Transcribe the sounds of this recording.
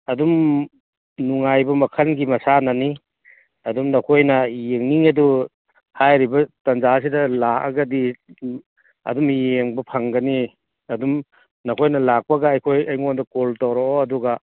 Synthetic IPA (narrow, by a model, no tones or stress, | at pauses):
ɐdum | nuŋajbɐmɐkʰɐnɡimɐsanɐni | ɐdumnɐkʰojnɐjeŋniŋɐdu | hajɾibɐtɐnzas̬idɐlakɐ̰ɡɐdi | ɐ̰dumjeŋbɐpʰɐŋɡɐni | ɐdum | nɐkʰojnɐlak̚pɐɡaːjkʰojɐjŋondɐkoltawɾooɐduɡɐ